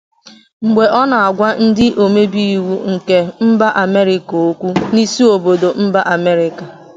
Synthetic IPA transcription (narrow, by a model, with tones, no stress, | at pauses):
ŋ͡m̩˨ɡ͡be˨ʔɔ˦na˨a˨ɡʷa˦n̩˦dɪ˦ʔo˨me˦bi˦i˨wu˦ŋ̩˨ke˨m̩˦ba˦ʔa˨me˦ɾɪ˨ko˨o˦kʷu˦ni˦si˦o˨bo˨do˨m̩˦ba˦ʔa˨me˦ɾɪ˨ka˨